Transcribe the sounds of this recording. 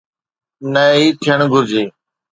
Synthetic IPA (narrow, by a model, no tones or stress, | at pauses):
nəiːt̪ʰɪjəɳ̃ɡʱʊɾd͡ʒeː